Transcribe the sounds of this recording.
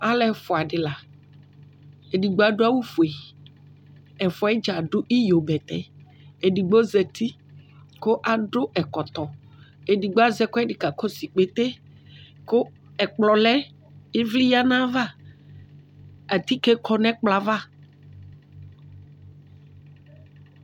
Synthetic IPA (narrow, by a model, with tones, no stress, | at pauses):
a˦lɛ˨fɔ˨a˨ɖɪ˨la˨ | e˨di˨ɡ͡bo˦a˨ɖo˦a˦wu˦fu˨e˨ | ɛ˨fɔ˨ɛ˦d͡ʒa˨ɖʊ˦ʔi˦jo˨bɛ˨t̪ɛ˦ | e˨di˨ɡ͡bo˦zɛ˨t̪i˦ | ko˦ʔa˨ɖʊ˦ʔɛ˨kɔ˨t̪ɔ˨ | e˨di˨ɡ͡bo˦a˦zɛ˦ko˦ɛ˦ɖi˨ka˨ko˦si˨k͡pe˦t̪e˦ | ko˦ | ɛ˨k͡plɔ˨lɛ˦ | i˦vli˦ja˦nã˦va˦ | a˨t̪i˦kɛ˦kʰɔ˦nɛ̃˦k͡pla˨va˦˨